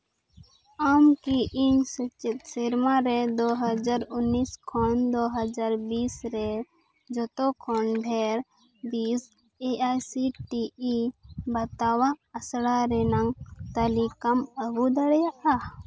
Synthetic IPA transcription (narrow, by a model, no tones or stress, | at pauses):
amkiʔiɲsət͡ʃɪt̪seɾmaɾed̪oɦəd͡ʒaɾʊnːiskʰɔnd̪oɦəd͡ʒaɾbiːsɾɛ | d͡ʒɔt̪ɔkʰɔnɖʱɛɾ | biːs | eajsiʈiibɐt̪awaɐsɽaɾɛnaŋt̪əlikaməɡud̪ɐɽjaʔa